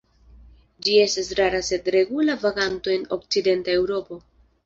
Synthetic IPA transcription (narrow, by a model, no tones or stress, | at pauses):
d͡ʒie̞stasɾaɾase̞dɾe̞ɡulavaɡanto̞e̞no̞̰k̚t͡side̞ntae̞wɾo̞po̞